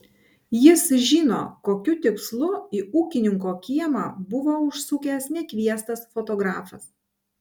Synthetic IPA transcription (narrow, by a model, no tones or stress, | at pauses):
jɪsʒʲiːno̰ːkoːkʲʊt̪ʲɪkslˠʊiːuːkʲɪnʲɪŋkoːkʲiɛmɑ̰ːbʊʋoːʊʃsuːkʲɛsnʲɛkʲʋʲiɛst̪ɐsfɔt̪ɔːɡɾɑːfɐs